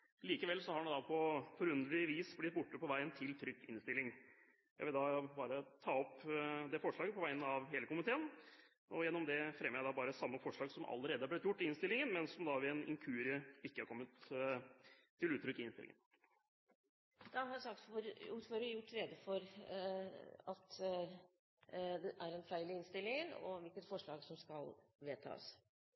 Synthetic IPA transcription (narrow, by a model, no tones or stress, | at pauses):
liːkəʋɛlsɔhɑɖɛnd̪ɑpʰɔfɔɾʉnd̪ʋɪʋiːsblɪt̪̚ːbʊʈːəpɔʋæɪənt̪ʰɪlt̪ʰɾʏk̪ːɪnst̪ɪlːɪŋ | jæɪʋɪld̪ɑbɑːɾət̪ʰɑːɔpd̪ɛfɔʂɭɑːɡəpʰɔʋæɪənəɑʋɦeːləkʊmɪt̪ʰeːən | ʔɔjɛnːɔmd̪ɛfɾɛmːəɾjæɪd̪ɑbɑːɾəsɑmːəfɔʂɭɑːɡsɔmʔɑ̰lːəɾeːd̪əhɑb̪ɪʋət̪jʊʈːɪɪnst̪ɪlɪŋənmɛnsɔmd̪ɑʋɪɛnɪ̰ŋkʰʉːɾɪəɪkːəhɑɾkʰɔmːət̪ | ɪlʉːt̪ɾʏkːɪɪnst̪ɪlɪ̰ŋə̰n | d̪̥ɑɦɑɾsɑk̚t̪fɔɾʉːt̪føːɾəjʊʈːɾɛd̪əfɔɾ | ɑt̪ | d̪ɛʔæɾɛnfæɪlɪɪnst̪ɪlːɪŋənɔ̰ʋɪlkət̪fɔʂɭɑːɡsɔmskɑlʋeːt̪ʰɑ̰ːs